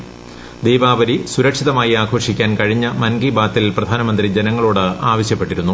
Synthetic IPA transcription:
d̪iːbaːʋɐɾisuɾɐkʂiðɐmaːjiaːkʰo̞ːʂikʲːaːnkɐɻiɲːɐmɐnɡibaːt̪ːilprɐd̪ʱaːnɐmɐnd̪rid͡ʑenɐŋːɐɭoːɽɨaːʋɐɕjɐpːe̞ʈːiɾunːu

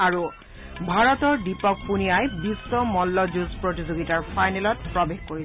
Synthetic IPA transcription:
aɹu | bʱaɹɔtɔɹdipɔk̚punijajbisːɔmɔlːɔzuzpɹotizoɡitaɹpʰajnelɔt̚pɹɔbexkoɹi

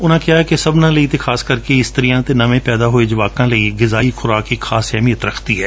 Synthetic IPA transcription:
ʊnãːkjaɦɛkesɐbnãlɐit̪exaːskɐɾkeɪst̪əɾijãt̪enɐmẽpɛːd̪aɦoed͡ʒɪʋaːkãlɐiɡɪzaːixʊɾaːkixaːsɛːmijət̪ɾɐkʰt̪iɦɛː

